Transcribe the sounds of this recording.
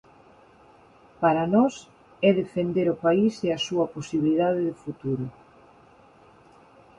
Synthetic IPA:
paɾɐnɔs | ɛðefend̪eɾʊpaiseɐsuɐposiβiliðaðeðɪfut̪uɾʊ

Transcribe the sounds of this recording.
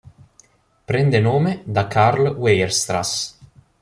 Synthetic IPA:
pɾɛnd̪enoːmed̪akʰaɾlwejeɾst̪ɾa̰s

